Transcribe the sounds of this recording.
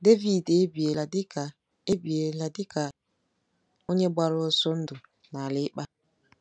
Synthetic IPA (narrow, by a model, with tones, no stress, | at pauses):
de˦vi˦˨de˦bi˨e˨la˨dɪ˦ka˨ | e˦bi˨e˨la˨dɪ˦ka˨ | o˦ɲe˦ba˦ɾo˦so˦n̩˦dʊ˨ | na˨lɪ˦k͡pa˦